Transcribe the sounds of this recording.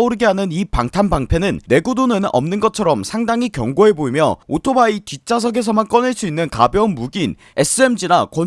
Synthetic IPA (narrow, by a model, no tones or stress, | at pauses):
uɾɯɡeɦanɯnipaŋtʰanbaŋpʰe̞nɯnːe̞ɡudonɯnʌ̰mnɯnɡʌt͡ɕʰʌɾʌmsʰaŋdaŋikjʌŋɡoɦe̞boimjʌ̰otʰobaitit͡ɕ͈ʰas̬ʰʌɡe̞sʰʌmank͈ʌnɯɭs͈uinːɯnkabjʌnmuɡin | e̞s͈ʰɯe̞md͡ʑinakʌn